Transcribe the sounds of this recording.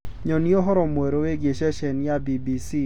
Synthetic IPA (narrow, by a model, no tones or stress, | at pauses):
ɲɔnioɦɔɾɔmweɾoeɡeʃɛʃɛnjabibisi